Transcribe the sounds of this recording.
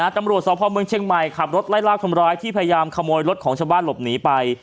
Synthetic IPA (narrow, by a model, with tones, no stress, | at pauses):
aː˨˥t̪a˧mɾu˨˩ət̪̚sɔː˨˦pʰɔː˧mɯ˧ŋt͡ɕʰe˧ŋma˨˩jkʰa˨˩p̚ɾo˦˥t̪̚laː˥˩jlaː˥˩k̚t̪ʰa˧mɾaː˦˥jt̪ʰiː˥˩pʰa˧ja˧jaː˧mkʰa˧moː˧jɾo˦˥t̪̚kʰɔː˩˦t͡ɕʰaː˧wbaː˥˩nlo˨˩p̚niː˨˦˥pa˧j